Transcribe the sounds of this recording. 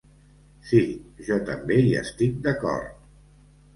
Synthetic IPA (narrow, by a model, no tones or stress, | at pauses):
siʒɔt̪əmbeiə̰st̪ik̚d̪əkɔ̰ɾt̪